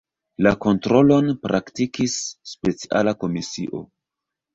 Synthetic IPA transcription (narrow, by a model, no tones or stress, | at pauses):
lako̞ntɾo̞lo̞npɾʔaktikisːpe̞t͡si̥ʔa̰lako̞misḭʔo̞̰